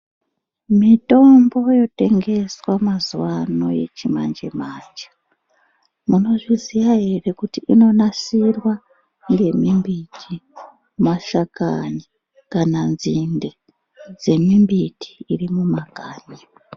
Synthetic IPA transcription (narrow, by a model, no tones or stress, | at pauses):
mito̞mbo̞jo̞te̞ŋɡe̞swamazuwano̞je̞̰t͡ʃima̰nd͡ʒe̞̰maːt͡ʃḁ | muno̞ʐizijaɦe̞re̞kutiʔino̞nasirwa | ŋɡe̞mimbitʰi | maʃakaɲi | kananzinde | d͡ze̞mimbitʰi̥ːrimumaɡ̥ʱaːɲi